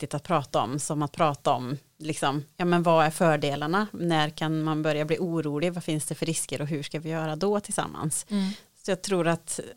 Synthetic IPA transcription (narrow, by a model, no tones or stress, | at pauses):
t̪ɪt̪at̪̚pʰɾɑːt̪aɔ̰msɔmat̪̚pʰɾɑːt̪aɔm | lɪksɔmjɑːmɛnvaæɾfœːɖeːlaɳanæɾkʰanmanbœɾjabliːuːɾuːlɪvafɪnsd̪ɛfœɾɪskəɾɔɦʉʂkavɪjœːɾad̪ɔt̪ʰɪlsa̰mːa̰nssɔjɑːɡ̚t̪ʰɾuːɾat̪